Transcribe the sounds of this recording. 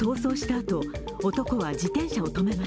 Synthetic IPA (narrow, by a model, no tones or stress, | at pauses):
o̞ːso̞ːɕi̥t̪aːt̪o̞ | ot̪o̞ko̞βad͡ʑit̪ẽ̞ɰ̃ɕao̞t̪o̞me̞ma